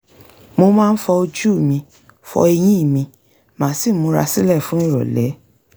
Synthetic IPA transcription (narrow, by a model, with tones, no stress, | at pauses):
mo˧mãː˦˧n̩˦fɔ˧o˧d͡ʒu˦˨mĩ˧ | fɔ̰˧e˧j̃ĩ˦i˦˨mĩ˧ | mã˨˦si˦˨˦mũ˧˦ɾa̰˧sĩ˦lɛ˦˨fũ˨˦ĩ˦˨ɾɔ̰˨lɛ˨˦